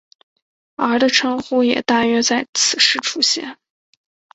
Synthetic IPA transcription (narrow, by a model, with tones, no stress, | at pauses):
ə˞˧˥d̪ə˧ʈ͡ʂʰɤ˧˥ŋxu˥jɛ˨˩t̪a˥˩ɥɛ˥t͡sa˥˩ɪt͡sʰɹ̩˨˩ʂɻ̩˥˩ʈ͡ʂʰu˥ɕjɛ̰˥˩n